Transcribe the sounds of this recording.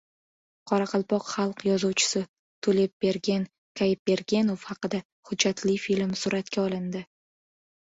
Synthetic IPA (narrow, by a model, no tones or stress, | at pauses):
qʰɒɾɑqʰɑlˠpɒqχɑlˠqjɒzuwt͡ʃʰɪ̥sɪ | t̪ʰulep̚be̞ɾɡʲen | kʰajɪp̚ːe̞ɾɡʲe̞nofhɑqɨd̪a | hʊd͡ʒːat̪ʰlɪfilmsʊɾʔat̪kʲaɒlˠɪnd̪ɪ